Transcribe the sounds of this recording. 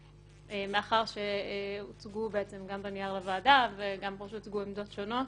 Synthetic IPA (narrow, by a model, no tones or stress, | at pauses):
emeaχaʁʃeut͡sɡubeet͡se̞mɡambenijaʁlevaːdaveɡampoʃut͡sɡuemd̪o̞tʃono̞